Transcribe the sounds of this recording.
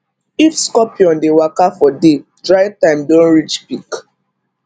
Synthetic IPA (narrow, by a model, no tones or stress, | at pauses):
ifskɔpiɔ̃ndewakafɔdedɹaɪtãɪ̃mdõnɹit͡ʃpik